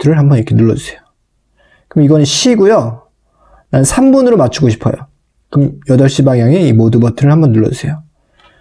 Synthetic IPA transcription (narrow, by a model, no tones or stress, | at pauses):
tʰɯɾɯɭɦambʌiɾʌkʰe̞nuɭːʌd͡ʑɯsʰejo̥ | kɯmiɡʌnɯnɕ͈ʰiɡojo | nannsʰambunɯɾomat͡ɕʰuɡoɕʰi̥pʰʌ̰jo | kɯmjʌdʌɭɕ͈ibaŋjaŋe̞imodɯbʌtʰɯɾɯɭhambʌnːuɭːʌ̰d͡ʑɯsʰe̞jo